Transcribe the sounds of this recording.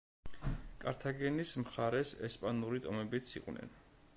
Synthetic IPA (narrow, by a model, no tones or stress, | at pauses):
kʼaɾt̪ʰaɡɛnismχaɾɛsɛspʼanuɾit̪ʼɔmɛbit̪sʰḭqʼwnɛ̰n